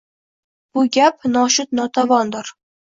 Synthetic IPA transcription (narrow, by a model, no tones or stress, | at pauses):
b̥ʊɡʲapnɒʃʊt̪̚nɒt̪ʰavɒnd̪ɪɾ